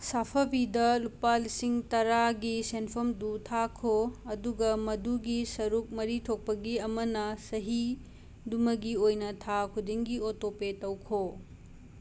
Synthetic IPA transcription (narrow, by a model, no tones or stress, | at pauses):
sapʰɐbidɐlupalisiŋtɐɾaɡisenpʰomdutʰakʰoɐduɡɐmɐduɡisɐɾuk̚mɐɾitʰok̚pɐɡiɐmɐnɐsɐɦi | dumɐɡiojnɐtʰakʰudiŋɡiotopetɐwkʰo